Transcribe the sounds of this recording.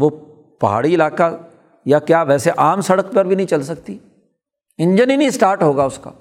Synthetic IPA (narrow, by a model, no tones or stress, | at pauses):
ʋo | pɐɦa̰ːɽiɪlaːka | jakjaːʋɛːseʔaːmsɐɽəkpɐɾbʱinɐɦĩt͡ʃɐlsɐk̚t̪i | ɪ̃ɲd͡ʒəninisʈaːɾʈɦoːɡaʊska̰ː